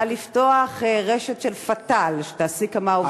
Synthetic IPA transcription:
alifto̞aχeʁeʃetʃelfatalʃet̪aːsikamao

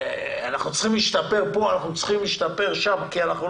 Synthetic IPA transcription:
anaχnut͡sχimliʃt̪ape̞ʁpo̞anaχnut͡sχimliʃt̪ape̞ʁʃamkianaχnu

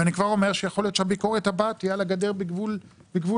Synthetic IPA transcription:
anikvaʁo̞meʁʃejaχolijot̪ʃehabiko̞ʁet̪habat̪ijalaɡad̪eʁbiɡvulbiɡvu

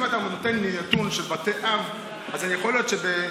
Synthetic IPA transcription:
mat̪amnot̪enlinat̪unʃelbat̪eʔav | azanijaxoljo̞t̪ʃebe

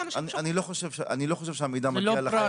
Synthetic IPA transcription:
ananiloχoʃevʃea̰niloχoʃ̬evʃeamid̪amalaɾa

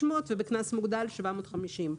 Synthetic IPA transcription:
motvebeknasmuɡd̪alʃvamo̞t̪χamiʃim

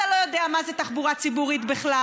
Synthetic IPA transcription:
alojo̞d̪eamazet̪aχbuʁat͡sibuʁit̪biχla

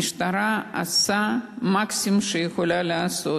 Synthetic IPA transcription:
iʃt̪aɾaa̰samaksʲimʃejexolʲalaaso

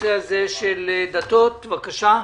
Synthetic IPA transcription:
eazeʃeld̪at̪ot̪vakaʃa

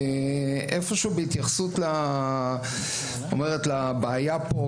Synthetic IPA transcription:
ʔefo̞ʃeubeit̪jaχsut̪la | omeʁetlabaːjapo

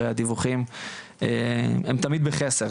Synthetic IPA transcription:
ejad̪ivuχim | eemt̪amid̪̚beχese

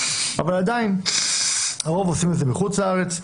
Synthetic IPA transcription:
avalad̪ain | aʁovosimɛtzɛmɪχut͡slaaʁɛt͡s

